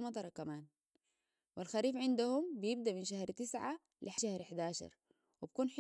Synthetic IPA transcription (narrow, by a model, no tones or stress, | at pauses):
mɑt̪ˤɑɾˤɑkamaːn | wilxaɾiːfʕɪnd̪ahumbijɪb̚d̪aʔminʃahɾt̪ɪsʕa | lʔiħaʃahɾħd̪aːʃɑ̰ɾˤ | wibkuːnħ